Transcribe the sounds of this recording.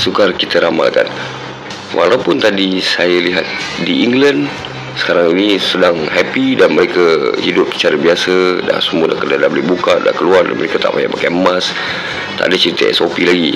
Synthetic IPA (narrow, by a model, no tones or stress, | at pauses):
sukarkit̪əɾama̰lka̰n | wʔa̰lawpʊnt̪adisajəliɦat̪̚diiŋɡlan | sə̥kaɾaŋinisədaŋɦɛpidanməɾekəhidʊp̚si̥t͡ʃaɾəbiasəda̰səmuədakəradabolɛbukaʔda̰kəluarda̰nməɾekat̪a̰ʔba̰jaʔpakaəmas | t̪a̰ʔdat͡ʃəɾit̪ə̰ʔɛ̰sopilaɡi